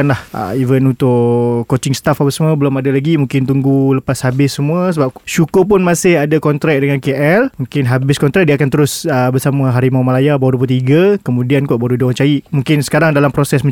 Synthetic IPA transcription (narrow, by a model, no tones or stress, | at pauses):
anlahə̰ivənunt̪ʊʔkot͡ʃɪŋst̪afapasmuəbəlʊmadalaɡimũŋkɪnt̪̬uŋɡuləpashabɪsːəmuəsəbap̚ʃukʊp̬ʊnmãsɪhadakɔnt̪ɾɛk̚dəŋankeʔɛlmũŋkɪnɦabɪskɔnt̪ɾɛk̚diəakant̪əɾʊsəbəsamə̃ɦaɾimamalajabawadupət̪iɡakəmũdiankɔʔbadudoat͡ʃajiʔmũŋkɪnsə̥kaɾaŋdalampɾosɛsmə̃